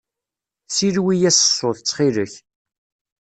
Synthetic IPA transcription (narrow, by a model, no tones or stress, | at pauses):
silwijæsə̥sːʊθt͡sːχiləç